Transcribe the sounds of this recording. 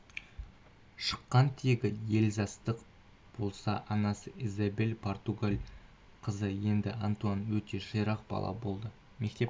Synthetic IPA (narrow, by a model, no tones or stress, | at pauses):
ʃə̥qːɑnt̪ʰeɡʲɪje̞lzɑst̪əq | b̥o̞lˠsɑʔɑnɑsəizabelpʰo̞rt̪uɡalʲ | qʰəzəje̞nd̪ɪʔant̪uanwɵt̪e̞ʒəjɾɑq̚bɑ̰lˠɑ̰bo̞lˠd̪ə | me̞k̚t̪e̞